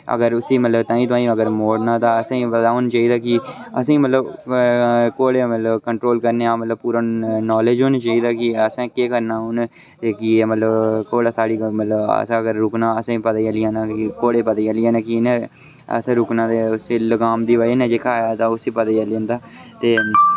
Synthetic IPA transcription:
ə̰ɡəɾʊsiːmət̪ləbt̪ãːĩːt̪ʊãːĩːəɡəɾmoːɽnãːt̪ãːəsãːĩːpəd̪aːɦoːnːt͡ʃaːiːd̪aːkɪəsãiːmət̪ləb | koːɽeːmət̪ləbkəɳʈɾoːlkəɾneːaːmət̪ləbpuːɾaːnɔːleːd͡ʒɦoːnaːt͡ʃaːiːd̪aːkɪəsãːkeːkəɾnaːɦoːn | t̪eːkimət̪ləbkoːɽaːsaːɽiːmət̪ləbə̰sãːəɡəɾːʊknãːəsãːĩːpəd̪aəlɪjãːnaːkoːɽeːpəd̪aiːəlijãːnaːkinẽː | ə̰sãːɾʊknãːd̪eːʊseːləɡaːmd̪iːʋaːinẽːd͡ʒekʰaːjaːt̪ãːʊsiːpəd̪aaliõːnd̪aː | t̪eː

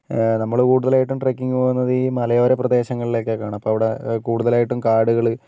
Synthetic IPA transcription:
nɐmːɐɭkuːɽuðɐlaːjiʈːumʈrekːiŋːupoːɣunːɐðɨimɐlɐjo̞ːɾeprɐd̪e̞ːɕɐŋːɐɭile̞ːkːekːaːɳɐɐpːoːɐʋiɽekuːɽuðɐlaːjiʈːumkaːɽuɣɐɭɨ

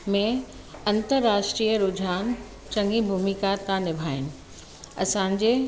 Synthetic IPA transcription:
mẽ | ɐ̃nt̪əɾːaːʃʈɾiːjəɾʊd͡ʑʱaːn | t͡ɕɐ̃ŋɡibʱuːmikat̪ãnɪbʱaːɪnɪ̆ | ɐ̰sãɲd͡ʑe

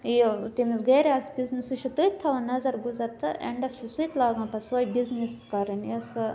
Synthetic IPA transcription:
t̪imisɡɐɾeaːsbʲiznisuʃʰut̪ɨjt̪ʰːɐʋɐnɐzɐɾɡuzɐɾt̪ɨʔḛɳɖɐsusujt̪laːɡãːpɐsʋɐjbizniskɐɾinjɐsɨ

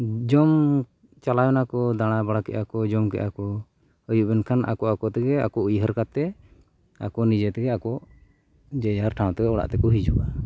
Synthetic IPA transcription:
d͡ʒɔm | t͡ʃalajɔnakɔd̪aɽ̃abaɽakɛ̰ʔakɔd͡ʒɔmkɛ̰ʔakɔ | əjuʔbɛnkʰanʔa̰kɔakɔt̪ɛɡɛa̰kɔʔujɦəɾkat̪ɛ | a̰kɔnid͡ʒɛt̪ɛɡɛakɔʔ | d͡ʒɛjaɾʈʰaw̃t̪ɛɡɛɔɽa̰ʔt̪ɛkɔɦid͡ʒɔa

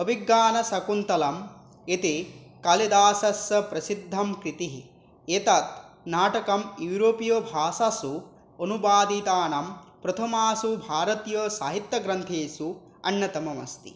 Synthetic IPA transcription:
ɐbiɡːaːnɐsɐkunt̪ɐlɐm | et̪ekɐlid̪aːsɐsɐpɾɐsid̪ʱːɐmkɾit̪iɦi | et̪ɐt̪̚naːʈɐkɐmjuːɾoːpijɐbʱaːsɐsu | onubaːd̪it̪aːnɐmpɾɐt̪ʰɐmaːsubʱaːɾɐt̪jɐːsaːɦit̪jɐɡɾɐnt̪ʰeːsu | ɐ̰nːɐt̪ɐmɐmɐ̰st̪ḭ

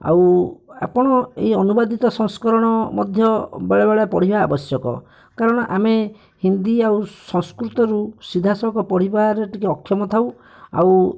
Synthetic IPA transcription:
a̰wa̰pɔɽ̃ɔeiɔnubad̪it̪ɔsɔŋskɔɾɔɽ̃ɔmɔ̰d̪ʱjɔbaɭebaɭepɔɽ̤ibaːbɔsjɔkɔ̰ | kaɾɔɽ̃ɔʔame | hind̪iawsɔŋskɾut̪ɔɾusid̪ʱasɔkɔpɔɽ̤ibaɾeʈikeɔkʰjɔmɔt̪ʰaw | a̰w

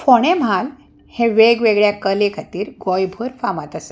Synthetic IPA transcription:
foɽ̃em̤al | hẽʋeɡʋeɡɭjakəlekʰat̪iːɾɡojbʱəɾfamat̪əse̥

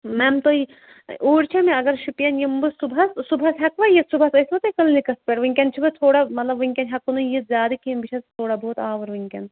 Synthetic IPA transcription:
mɛmt̪oi | uːɽt͡ʃʰɐmiɐɡɐɾʃupijɐnjimbɨsubɐssubʱɐsɦɐkʋɐjɐt̪subʱɐsɐsbɐt̪ɐkɐlnikɐspeɾʋɨŋʲkʲɐnt͡ʃʰibɨt̪ʰoːɽamɐt̪lɐbʋɨŋʲkʲɐnʲɦɐkːunujit̪zʲjaːd̪ɐkinbit͡ʃʰɐst̪ʰoːɽaboːt̪aːʋɐɾʋiŋʲkʲɐn

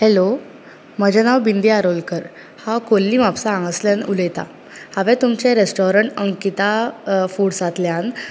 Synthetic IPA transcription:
hɛlo | məd͡ʑanaʋbind̪iaɾolkəɾ | hakolːiːmapsãːŋɡəsljanulet̪a̰ | haʋɛ̃t̪umt͡ɕẽɾesʈɔɾəɳʈəŋkit̪afuɽsat̪ljan

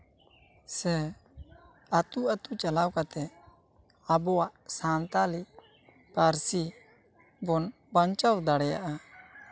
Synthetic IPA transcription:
sɛ | at̪uʔat̪ut͡ʃalawkat̪ɛ | abɔwaʔsant̪ali | paɾsi | bɔn | baɲt͡ʃawd̪aɽɛja̰ʔa

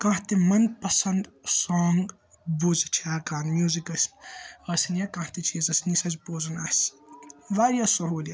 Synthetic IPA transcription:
kãɦt̪emɐnpɐsɐnd̪soːŋɡ | buzt͡ʃʰiaːkaːnmjuːzikɐsʲmɐsnjakãːht̪et͡ʃʰiːzɐsʲnisɐt͡ʃboːzunas | ʋaːɾijasuɦuːlja

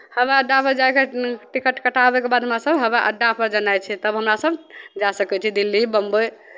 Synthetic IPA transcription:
həbeəɖːapəɾd͡ʒaekeʈikəʈkəʈabɛkebad̪ɦəmɾasəbɦəbeʔə̰ɖːapʰəɾd͡ʒənajt͡ʃʰɛt̪əbɦəmɾasəbd͡ʒasəkɛt͡ʃʰɛd̪ilːibəmbə

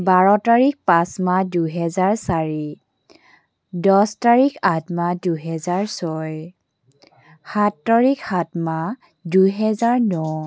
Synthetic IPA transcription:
baɹɔtaɹik̚pãsmaduɦɛzaɹsaɹi | dɔstaɹikʰatmaduɦɛzaɹsɔj | hatːaɹikhatma | dujɦɛzaɹnɔ

